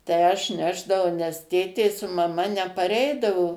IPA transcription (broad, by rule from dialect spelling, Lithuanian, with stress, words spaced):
tɐɪ ˈɐʃ ˈnʲæːʒdɐʋɐʊ nʲɛs ˈtʲeːtʲeː sʊ mɐˈmɐ nʲɛpɐˈrʲɛɪdɐʋoː